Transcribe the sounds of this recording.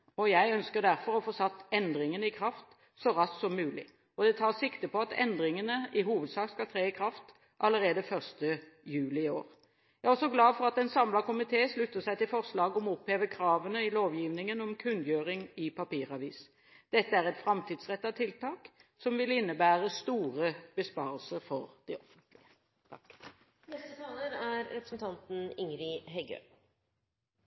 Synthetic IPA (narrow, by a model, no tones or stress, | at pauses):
ɔjæɪœnskəd̪æʁfɔɾɔfɔsɑt̪ːɛnd̪ɾɪŋənəɪkʰɾɑft̪ | sɔɾɑssɔmːʉːlɪ̰ | ɔd̪ɛt̪ʰɑːsɪkt̪əpɔɑt̪ʰɛ̰nd̪ɾɪŋənəɪɦuːʋəd̪sɑːkskɑt̪ʰɾeːɪkʰɾɑft̪ | ʔɑlːəɾeːd̪əfœʁst̪əjʉːlɪɪo̰ːʁ | jæɪæɔsɔɡlɑːfɔɾɑt̪ɛnsɑmlɑkʊmɪt̪ʰeːslʉt̪ːəsæɪt̪ɪlfɔʁslɑːɡɔmɔɔpheːʋəkʰɾɑːʋənəɪloːʋjiːʋnɪŋənɔmkʰʉnd̪jøːɾɪŋɪpʰɑpiːʁɑʋiːs | d̪̥ɛt̪ːəæːʁɛt̪fɾɑmt̪ʰiːd̪sʁɛt̪ːɑʋt̪ʰɪlt̪ɑːksɔmʋɪlɪnːəbæːʁəst̪uːʁəb̥əspɑːʁəlsəɾfɔʁd̪̥ɪɔfənt̪ʰlɪə | t̪ʰɑk | nɛst̪ət̪ʰɑːləɾæɾɾɛpɾəsn̩t̪ʰɑnt̪n̩ɪŋɾɪɦɛɡø̰ː